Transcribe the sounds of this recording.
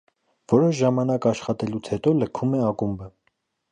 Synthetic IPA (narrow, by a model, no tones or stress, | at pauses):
vɔɾɔʃʒɑmɑnɑkɑʃχɑt̪ɛlut͡sʰhɛt̪ɔləkʰumɛɑkumbə